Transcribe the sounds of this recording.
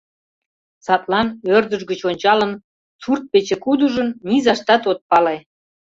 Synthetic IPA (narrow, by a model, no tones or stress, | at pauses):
sɑt̪lɑnørd̪əʒɡət͡ɕonʲt͡ɕɑlən | t͡surt̪̚pet͡ɕekud̪uʒənnizɑʃt̪ɑt̪ot̪̚pɑle